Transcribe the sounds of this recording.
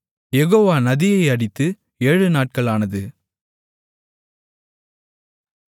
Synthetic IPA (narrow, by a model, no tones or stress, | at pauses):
jɛɣoːʋaːnɐðɪjɐɪɐɽɪt̪ːɯ | eːɻɯnaːʈ̚kɐɭaːnɐðɯ